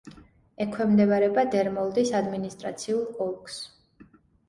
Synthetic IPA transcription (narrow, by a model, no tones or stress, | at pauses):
ɛkʰwɛmd̪ɛvaɾɛbad̪ɛɾmɔlˠd̪isad̪minist̪ʼɾa̰t̪sʰiulˠkʼɔlˠks